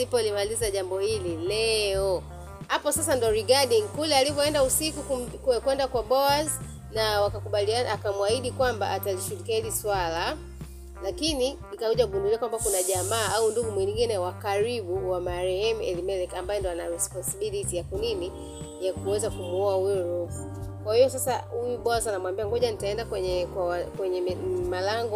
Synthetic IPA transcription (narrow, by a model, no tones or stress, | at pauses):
lipɔlimalizaʄambɔhililɛɔ | hapɔsasandɔɾiɡaɗiŋkulɛalivɔɛndausikukkkwɛndakwaɓɔaz | nawakakuɓalianaakamwahiɗikwamba̰ʔataliʃulikiahiliswala | lakininikauʄauɡunduliakwambakunaʄamaːaunduɡumwiɲŋɡinɛwakaɾiɓuwamaɾɛhɛmɛlimɛlɛkambajɛndɔanaɾɛspɔnsiɓilitijakunini | jakuwɛzakumuɔahujɔɾufukwahijɔs̬asaujuɓɔazanamwambiaŋɡɔʄanitaɛndakwɛɲɛkwakwɛɲɛmalaŋɡɔ